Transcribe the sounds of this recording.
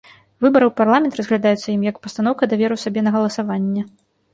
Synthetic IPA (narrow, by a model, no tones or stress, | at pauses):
vɨbɐɾɨwparlˠamʲɛnt̪rɐzɣlʲad̪ajut̪sɐjimjɐkpɐst̪anɔwkɐd̪avʲɛɾɨsabʲɛnɐɣɐlˠɐsavanʲːɛ